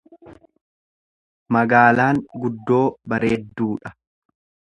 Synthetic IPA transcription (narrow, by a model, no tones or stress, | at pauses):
mɐɡaːlaːŋɡʊd̪ːo̞ːbɐɾe̞ːd̪ːuːᶑɐ